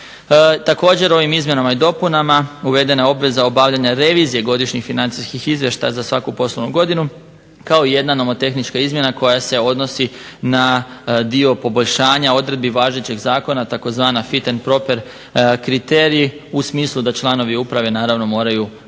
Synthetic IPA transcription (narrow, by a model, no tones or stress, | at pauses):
t̪ako̞ːd͡ʑe̞ɾo̞ʋimizmje̞namaid̪o̞punamauʋe̞d̪e̞nao̞bʋe̞zao̞baʋʎaɲaɾe̞ʋiːzije̞ɡo̞d̪iʃɲixfinant̪siskixizʋje̞ʃt̪a̰jazasʋakupo̞slˠoʋnuɡo̞d̪inu | kao̞ije̞d̪nano̞mo̞t̪e̞xnit͡ʃkaizmje̞nako̞jase̞o̞d̪no̞sinad̪io̞po̞bo̞ʎʲʃaːɲao̞d̪ɾe̞d̪̚biʋaːʒet͡ɕe̞ɡzaːko̞nat̪ako̞zʋaːnafit̪enpɾo̞pe̞ɾ | kɾit̪eːɾii | usmiːslˠud̪at͡ʃlˠano̞ʋiupɾaʋe̞naːɾaʋno̞mo̞ːɾaju